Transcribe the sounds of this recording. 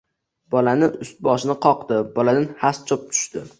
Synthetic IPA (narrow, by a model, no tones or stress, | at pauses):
bɒlanɪʊst̪̚bɒʃɪnɪqʰɒqd̪ɪbɒlad̪ɪnhast͡ʃʰop̚t̪ʰʊ̥ʃt̪ɪ